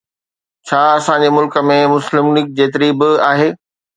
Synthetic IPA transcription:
t͡ɕʰaːɐsãɲd͡ʑemʊlkə̆mẽmʊslɪmnɪk̚d͡ʑeːt̪ɪɾibɪaːɦeː

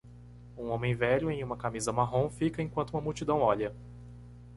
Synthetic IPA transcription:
ũõmẽj̃vɛʎʊẽj̃ũmɐkamizɐmaɦõfikɐẽkwɐ̃t̪ʊuũmɐmuwt͡ʃid̪ɐ̃w̃ɔʎɐ

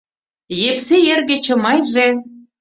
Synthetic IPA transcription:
jepsejerɣĕt͡ɕɤ̆mɑjʒe

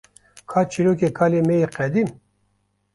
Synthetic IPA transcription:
kʰaːt͡ʃʰiɾoːk̬ekʰaːlemejeqɛd̪im

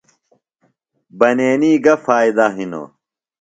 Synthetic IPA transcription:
bɐneːniːɡɐfaːid̪aɦino̰

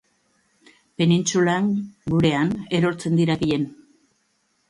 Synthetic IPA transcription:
pe̞nint͡sulaŋɡuɾe̞ane̞ɾo̞ɾt͡se̞nd̪iɾakiʎe̞n

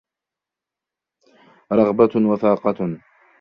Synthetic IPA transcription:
ɾˤɑɣbawaθɑːqɑ

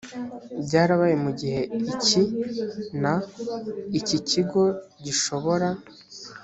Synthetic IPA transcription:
bɟaːɾaβajemuɟiɦe̞ici | na | iciciɡo̞ɟiʃo̞βo̞ɾa

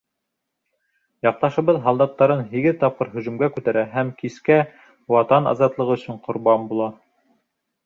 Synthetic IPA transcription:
jɑq̚t̪ɑʃɤ̆βɤðɦɑlˠd̪ɑt̪ːɑɾɤnɦiɡɘðt̪ɑp̚qɤɾɦɵ̆ʒɵ̆mɡækʉt̪æɾæɦæmkiskæ | wɑt̪ɑnɑ̰zɑt̪lˠɤʁɵ̆sɵɴqŏɾbɑmbulˠɑ

